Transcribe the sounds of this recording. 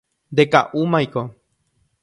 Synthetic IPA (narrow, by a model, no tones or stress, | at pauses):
nd̪eka̰ʔumãjko